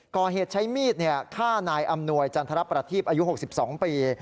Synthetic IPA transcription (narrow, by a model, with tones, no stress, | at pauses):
kɔː˨˩ɦeː˨˩t̪̚t͡ɕʰa˦˥jmiː˥˩t̪̚ni˥˩ɐkʰaː˥˩naː˧jʔa˧mnu˧əjt͡ɕa˧nt̪ʰa˧ɾa˦˥pɾa˧t̪ʰiː˥˩p̚ʔaː˧ju˦˥ɦo˨˩k̚si˨˩p̚sɔː˩˦ŋpiː˧